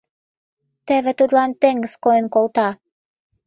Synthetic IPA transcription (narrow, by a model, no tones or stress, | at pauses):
t̪æβĕt̪ut̪lɑnt̪eŋɡɘ̆skojə̆nkolt̪ɑ